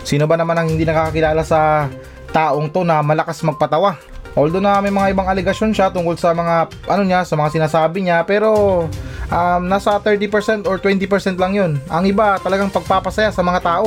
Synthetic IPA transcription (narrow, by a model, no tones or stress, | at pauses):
siːnobɐnɐmanɐŋhɪnd̪iːnɐkaːkɐkɪlaːlasɐ | t̪aːʔo̞ŋt̪o̞nɐmɐlɐkasmɐɡ̚pɐt̪ɐwa | ʔold̪onɐmɐjmɐŋaʔɪbaŋɐlɛɡɐʃo̞nʃat̪ʊŋkolsɐmɐŋa | ʔɐno̞ɲasɐmɐŋasɪnaːsaːbɪɲapɛːɾo̞ | ʔamnaːsɐt̪ɛɹt̪ipɛɹsɛnt̪oɹt̪wɛnt̪ipɛɹsɛnt̪lɐŋjonʔɐŋɪbat̪ɐlɐɡaŋpɐɡ̚papɐsɐjasɐmɐŋat̪aːʔo̞